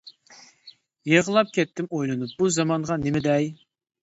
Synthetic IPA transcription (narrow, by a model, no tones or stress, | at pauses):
jeʁəlˠɑp̚kʲʰɛt̪ːɪmojlˠɨnup̚buzɑmɑɴʁɑnɪmɪd̪ɛj